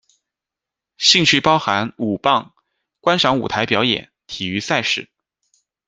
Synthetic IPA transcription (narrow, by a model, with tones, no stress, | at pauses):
ɕi˥˧ŋt͡ɕʰy˥˩pɑ˥ʊxa˧˥nu˨˩pɑ˥˩ŋ | kwa˥nʂɑ˧˥ŋu˨˩t̪ʰa˧˥ɪpjɑ˧˥ʊjɛ̰˨˩˦nt̪ʰi˨˩y˧˥sa˥˧ɪʂɻ̩˥˩